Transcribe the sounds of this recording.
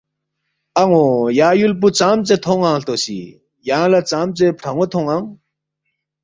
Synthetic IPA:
ʔaŋojaːjulp̬ut͡samt͡set̪ʰoŋaŋɬt̪oɕḭ | jaŋlat͡samt͡sepʈ͡ʂʰaŋot̪ʰoŋaŋ

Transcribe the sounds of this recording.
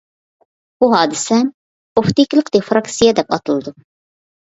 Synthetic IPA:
b̥uɦɑːd̪ɨsɛ | oft̪ikʲilˠəqd̪efɾɑksijɛd̪ɛpɑ̰t̪ʰɨlˠɨd̪u

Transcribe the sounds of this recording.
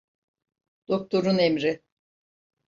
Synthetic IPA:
d̪̥ok̚t̪ʰo̞ɾunemɾɪ

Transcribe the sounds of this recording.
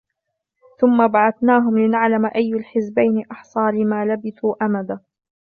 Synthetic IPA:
θʊmːabaʕaθnaːɦʊmlɪnaʕlamʔajːalħɪzbajnɪʔɑħsˤɑːlɪmaːlabɪθuːʔamad̪a

